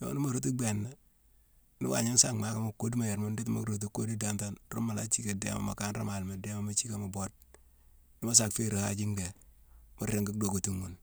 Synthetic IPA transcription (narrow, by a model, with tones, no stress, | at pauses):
jo̰˨˦ni˦mo˨ɾo˦t̬u˦ɡ͡be˨nːa˦ | nḭ˦wa̰˨ɲa˦n˦sa˦˨kma˦ka˦mo˨ko˦di˦ma˨je˨ɾmo˦nde˦tma̰˦kɾo˨t̬u˦kːo˦di˦da˦mta˦n˦ɾo̰˦ma˨la˦t͡ʃi˦ke˨dḛ˦ma̰˨ma˨ka˦nɾa̰˦ma˨lma˨de˦ma˨ma˦t͡ʃi˦ka˨ma˨bo˦d̚ | ni˦ma˦s̬a˨kfe˦ɾo˨ha̰˦d͡ʒi˦ŋde˨ | mo˦ɾe˨ŋɡi˦kdo˨ko˨tu˦ŋːu˨n